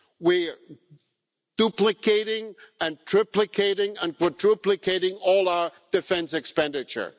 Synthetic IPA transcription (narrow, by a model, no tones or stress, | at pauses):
wiɹ | d̥uplɨkʰeɪɾɪ̃ŋɨ̃ntʰɹ̥ɪplɨkʰeɪɾɪ̃ŋə̃nkwətʰɹ̥uplɨkʰeɪɾɪ̃ŋɔlˠaʊə˞d̥ɨfɛ̃nsɨkspɛ̃ndɨt͡ʃə̰˞